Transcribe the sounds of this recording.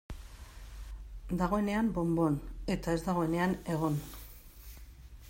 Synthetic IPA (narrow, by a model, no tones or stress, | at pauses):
d̪aɣ̞o̞e̞ne̞ambo̞mbo̞ne̞t̪ae̞zd̪aɣ̞o̞e̞ne̞ane̞ɣ̞o̞n